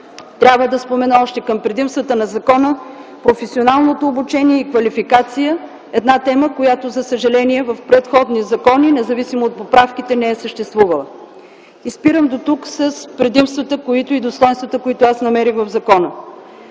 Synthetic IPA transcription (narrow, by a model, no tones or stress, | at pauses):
t̪ɾʲabvəd̪ɐspomɛnəɔʃt̪ɛkəmpɾɛd̪imst̪vət̪ənɐzɐkɔnəpɾofɛsionalˠnot̪oːbut͡ʃɛniɛikvɐlifikat̪sijə | ɛd̪nat̪ɛməkojat̪ozɐsəʒɐlɛniɛvəfpɾɛt̪xɔd̪nizɐkɔninɛzɐvisimoːt̪̚popɾafkit̪ɛnɛɛsəʃt̪ɛst̪vuvəlˠə | ispiɾəmd̪ot̪uksəspɾɛd̪imst̪vət̪əkoit̪oid̪ost̪ɔjnst̪vət̪əkoit̪ʊasnɐmɛɾixvɐvzɐkɔnə